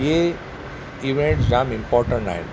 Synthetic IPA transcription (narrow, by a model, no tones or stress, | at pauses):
je | iʋẽɳʈsɾamɪ̃mpɔːɾʈə̃ɳʈa̰ːɦḛ̃n